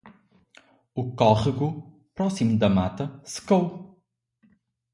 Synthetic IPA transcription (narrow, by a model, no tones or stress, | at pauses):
ukɔʁiɣu | pɾɔsimud̪ɐmat̪ɐsɨ̥kow